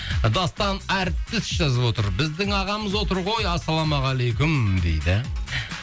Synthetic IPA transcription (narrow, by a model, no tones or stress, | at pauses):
d̪ɑst̪ɑnæɾt̪̚t̪ːɪsʒɑzəpwo̞t̪əɾbɪzd̪ɪŋɑʁɑməzwo̞t̪əɾʁo̞jɑsːɑlˠɑmɑʁɑlejkʲʊmd̪ḛjd̪ɪ